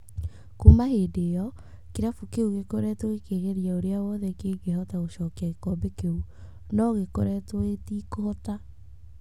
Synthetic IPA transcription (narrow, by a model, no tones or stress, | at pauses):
komahedeːjɔ | keɾafukeuɣekoɾɛtoekeɣeɾjaoɾeawɔðɛkeːɡehɔtaoɕɔːkaekɔbekeu | nɔɣekoɾɛtoetikohɔta